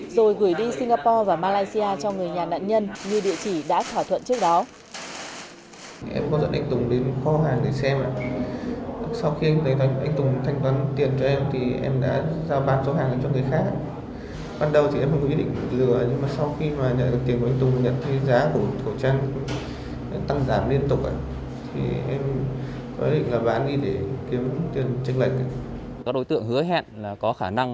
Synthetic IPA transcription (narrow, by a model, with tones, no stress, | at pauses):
zo˨˩jɣu˧˩jɗi˧si˧ŋ̟ɡaː˧pɔ˧vaː˨˩maː˧laː˧jsi˧ʔaː˧t͡ɕɔ˧ŋɨ˨˩əjɲaː˨˩na̰ː˧˨nɲə˧nɲɨ˧ɗḭ˧˨ət͡ɕi˧˩ɗa̰ː˧˥t̪ʰaː˧˩wt̪ʰwə˧˨nt͡ɕɨ˦˥ək̚ɗɔ˨˦ | ʔɛ̰˧mkɔ˨˦zə̰˧˥nʔa˧jŋ̟t̪ʊ˨˩ŋ͡mɗe˨˦nxɔ˨˦ɦaː˨˩ŋɗe˧˩sɛ˧mʔa̰ː˧˨ | sa˧wxi˧ʔa˧mt̪ʰə˨˦jt̪a˨˧˦ʔŋt̪ʊ˨˩ŋ͡mt̪ʰa˧jŋ̟t̪waː˨˦nt̪i˨˩ənt͡ɕɔ˧ʔɛ˧m˨t̪ʰi˨˩ʔɛ̰˧mɗa̰ː˧˥zaː˧wɓaː˧˩nso˨˦ɦaː˨˩ŋlaː˨˩t͡ɕɔ˧nŋɨ˨˩əjxaː˦˥k̚a̰ː˧˨ | ɓaː˧nɗə˨˩wt̪i˨ɛ˧mhə̰˧˦˥ɗḭ˧˨ŋlɨ˧˩əɲɨ˧ŋmaː˨˩sa˧wxi˧maː˨˩ɲə̰˧˨nɗɨ˨˩k̪̚i˨˩ənkjŋt̪ʊ˨˩ŋ͡mɲə̰˧˨nt̪ʰe˨˦zaː˨˦ku˧˩t̪ʰə˧˩wt͡ɕaː˧n | t̪a˧ŋzaː˧˩mli˧ənt̪ʊ˨˩k͡p̚ʔa̰ː˧˨ | t̪ʰḭ˨˩ʔɛ˧m | kɔ˨˦wj̚ɗḭ˧˨ŋlaː˨˩ɓaː˨˦nɗi˧ɗe˧˩ki˨˦əmt̪i˨˩ənt͡ɕɨ˧ŋlə˨˩jk̟̚a˨˩ | a˦˥k̚ɗo˨˦jt̪ɨ̰˧˨əŋhɨ˨˦əɦɛ̰˧˨nlaː˨˩kɔ˨˦xaː˧˩na˧ŋ